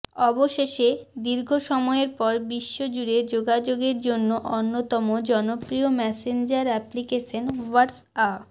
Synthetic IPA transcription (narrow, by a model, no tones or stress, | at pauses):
ɔboʃeʃed̪iɾɡʱoʃɔmɔeɾpɔɾbiʃːod͡ʑuɾed͡ʑoɡad͡ʑoɡeɾd͡ʑonːoʔonːot̪ɔmod͡ʑɔnopɾiomɛsend͡ʑaɾɛplikeʃonwaɾs | a